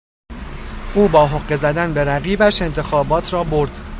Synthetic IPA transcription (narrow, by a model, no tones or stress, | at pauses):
ʔuːbɒːɦoɢːe̞zæd̪ænbeɾæɣiːbæʃe̞nt̪ʰe̞xɒːbɒːt̪ʰɾɒːboɾd̪̥